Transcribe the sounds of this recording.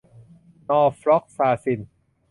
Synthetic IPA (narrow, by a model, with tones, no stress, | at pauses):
nɔː˧fɾɔ˦˥k̚saː˧si˧˩n